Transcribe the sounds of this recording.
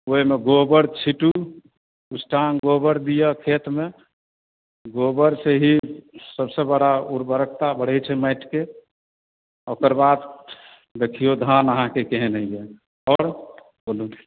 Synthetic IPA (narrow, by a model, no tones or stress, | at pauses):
oimeɡobəɾt͡ʃʰiʈu | usʈanɡobəɾd̪ijəkʰet̪me | ɡobəɾseɦisəbsebəɽauɾbəɾək̚ʰt̪abəɽ̤ɛt͡ʃʰɛməɪʈke | okəɾbad̪ | d̪ekʰijod̪ʱanəɦãkekeɦenəije | ɔːɾ | bolu